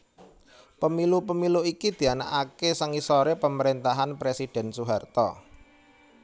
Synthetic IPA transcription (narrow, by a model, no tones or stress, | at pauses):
pəmilupəmiluikid̪̥i̤ana̰ʔakesaŋisoɾepəməɾent̪aɦanpɾesid̥ɛ̤nsuɦart̪ɔ